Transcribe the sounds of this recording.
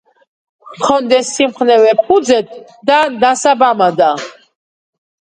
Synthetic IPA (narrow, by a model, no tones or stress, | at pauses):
χʰɔnd̪ɛsːimχnɛvɛp̚ʰud̪zɛt̪̚ʰ | d̪and̪asabamad̪a